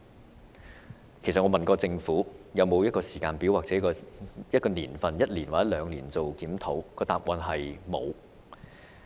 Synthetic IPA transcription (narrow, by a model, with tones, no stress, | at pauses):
kʰjsɐ˨ŋɔː˨˧mɐ˨nkɔː˧t͡sɪ˧ŋfuː˨˥jɐ˨˧wmo˨˧wjɐ˥t̚kɔː˧si̥ː˨˩kaː˧npiː˨˥waː˨k̚t͡sɛː˨˥kɔː˧jɐ˥t̚kɔː˧niː˨˩nfɐ˨njɐ˥t̚liː˨˩nwaː˨˩jɛ˥lœː˨˧˥ŋliː˨˩nt͡so˨wkiː˨˥mt̪ʰo˨˥wkɔː˧t̪aː˨p̚wɐ˧nɦɐ˨jmo̰˨˧w